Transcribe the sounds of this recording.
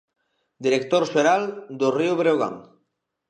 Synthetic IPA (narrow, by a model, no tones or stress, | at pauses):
d̪iɾekt̪oɾʒeɾald̪orioβɾeoɣa̰ŋ